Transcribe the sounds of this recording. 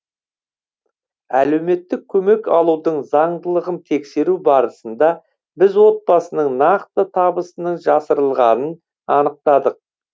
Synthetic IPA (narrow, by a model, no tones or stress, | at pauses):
æle̞wme̞t̪ːɪk̚ʲʰːɵme̞kɑlˠud̪əɴzɑɴd̪əlˠəʁənt̪ʰe̞kse̞ɾubɑɾəsənd̪ɑ | bɪzwo̞t̪̚bɑsənəɴnɑqt̪ət̪ʰɑbəsənəɴʒɑsəɾəlˠʁɑnən | ɑnəq̚t̪ɑd̪əq̚